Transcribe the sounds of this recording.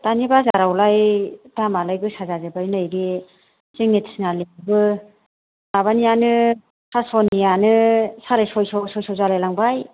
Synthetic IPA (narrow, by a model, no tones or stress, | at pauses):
tanibazaɾawlajdamalajbɯsazazabajnɯjɡi | t͡ʃiŋnitʰsnalibɯ | maβanijanɯ | sʰasɔnijanɯsaɾɯsɔjsɔsɔjsʰɔwzalajlaŋbaj